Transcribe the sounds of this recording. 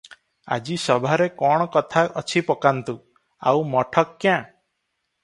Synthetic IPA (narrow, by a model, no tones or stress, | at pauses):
a̰d͡ʒisɔbʱaɾekɔɽ̃ɔkɔt̪ʰaʔɔt͡ʃʰipɔkant̪u | a̰wmɔʈʰɔkːjã